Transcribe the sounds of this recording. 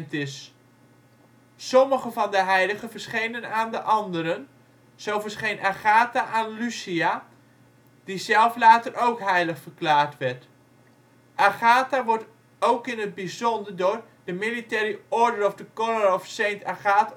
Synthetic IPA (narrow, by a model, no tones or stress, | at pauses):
ntɪs | sɔməχəvɑndəɦɛjləχəvəɹsχejnənaːndəʔɑndəɾən | z̥owvəɹsχejnʔaχaːtaʔaːnlysia | d̥izɛlˠflaːtərʔowkɦɛjləχfəɹklaːɹtʋɛɹt | ʔaχaːtaʋɔɹt | owkɪnɦəd̚bizɔndəɹdʊːɹdəmilitɛːɾəɔɹdərɔfdəkɔrərɔfsejntaχaːt